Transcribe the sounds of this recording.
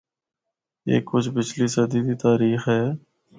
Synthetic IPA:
ḛːkːʊt͡ʃʰbɪt͡ʃliːsəd̪iːd̪iːt̪aːɾiːxɦɛː

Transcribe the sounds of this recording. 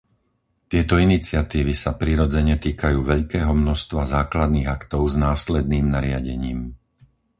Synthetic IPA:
t̪ɪɛt̪ɔinit͡sɪat̪iːʋisapɾiɾɔd͡zɛɲɛt̪iːkajuːʋɛʎkɛːɦɔmnɔʃst̪ʋazaːklad̪niːɣakt̪ɔʊznaːslɛd̪niːmnaɾɪaɟɛɲiːm

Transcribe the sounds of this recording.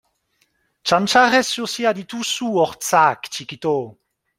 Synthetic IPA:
t͡ʃamt͡ʃaʁɛsusiad̪it̪usuɔʁt̪t͡sakt͡ʃikit̪o

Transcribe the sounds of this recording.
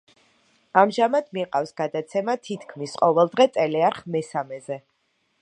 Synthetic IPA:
amʒamad̪̥miqʼafsɡad̪at̪sʰɛmat̪ʰit̪ʰkʰmisqʼɔvɛlˠd̪ʁɛt̪sʼɛlɛaɾχmɛsamɛzɛ

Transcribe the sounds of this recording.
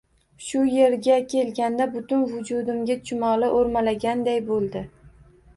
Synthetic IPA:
ʃʊje̞ɾɡʲakʲʰe̞lɡʲand̪abʊt̪ʊnvʊd͡ʒʊd̪ɪmɡʲat͡ʃʰʊmɒlɪʔoɾmalaɡʲand̪ajbolˠd̪ɪ

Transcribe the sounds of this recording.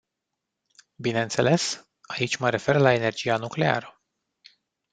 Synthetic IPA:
bineɨnt̪se̞le̞s | ait͡ʃʲməɾe̞fe̞rlae̞ne̞rd͡ʒijanukle̞a̰ɾə

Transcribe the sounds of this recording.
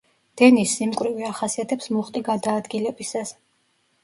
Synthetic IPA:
d̪̥ɛnisːimkʼwɾiviaχasiat̪ʰɛpsmuχt̪ʼiɡad̪aːd̪ɡilɛbisas

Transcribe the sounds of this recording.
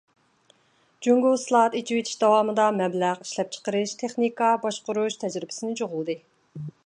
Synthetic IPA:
d͡ʒyŋɡoslˠɑɑt̪it͡ʃʰiwet̪ʰi̥ʃd̪ɑwɑːmɨd̪ɑmɛblæʁi̥ʃlɛp̚t͡ʃʰə̥qəɾɨʃt̪ʰeχnikɑbɑʃqʊɾuʃt̪ʰɛd͡ʒɾɪbɪ̥sɪnɪt͡ʃʰoʁʊlˠd̪ɨ

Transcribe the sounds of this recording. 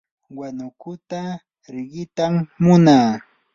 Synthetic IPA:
wanʊkʊt̪a | ɾɪɢɪt̪amːʊnaː

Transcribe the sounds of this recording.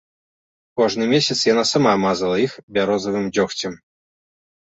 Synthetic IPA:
koʐnɨmʲesʲɪt̪sjanasɐmamazɨlˠəixbʲaɾozəvɨmdʲɔxtʲɪm

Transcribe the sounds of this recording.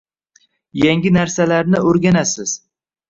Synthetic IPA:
jaŋɡʲɪnaɾsalaɾnɪoɾɡʲanasɪz̥

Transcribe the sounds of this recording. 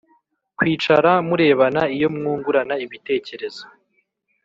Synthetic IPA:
kwiːt͡ʃaɾamuɾe̞ːβanaijo̞mŋuːŋɡuɾanaiβite̞ːce̞ɾe̞zo̥

